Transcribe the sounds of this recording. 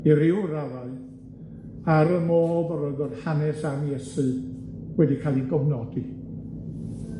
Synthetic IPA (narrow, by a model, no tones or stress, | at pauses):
iɾɪwɾavaɨ | aɾəmoːbəɾɔðɔd̥hanɛsamjɛsɨ | wɛdikʰalˠinɡɔvnɔdi